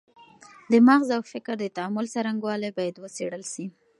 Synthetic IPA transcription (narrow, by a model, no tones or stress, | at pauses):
d̪əmaɣzawfɪkɾd̪ət̪aamʊlsaɾaŋɡwɑlajbɑjad̪wəseɽəlʃi